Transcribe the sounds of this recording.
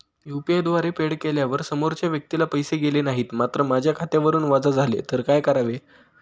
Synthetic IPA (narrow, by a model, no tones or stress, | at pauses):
jupiajd̪ʋaɾepeɽkeljaʋəɾsəmoɾt͡ɕjaʋjək̚t̪ilapəjseɡelenaɦiːt̪mat̪ɾəmad͡ʑʱjakʰat̪eʋəɾuːnʋad͡zad͡zʱalḛt̪əɾkajkəɾaʋe